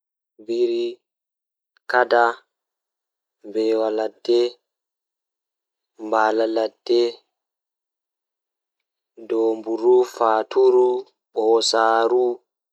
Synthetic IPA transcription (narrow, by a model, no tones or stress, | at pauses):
biɾi | kada | mbɛwaladːɛ | mbaːlaladːɛ | dɔːmbuɾufaːtʰuɾu | ɓɔɔsaːɾu